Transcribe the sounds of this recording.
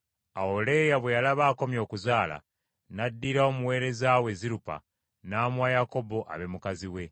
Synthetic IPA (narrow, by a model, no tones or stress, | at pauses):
aole̞jaβwe̞jalaβaːko̞mjo̞ːkuzaːla̰ | nadːiːɾao̞muwe̞ːɾe̞zaːwe̞ziɾupa̰ | naːmwajako̞bo̞ʔa̰βe̞mukaziwe̞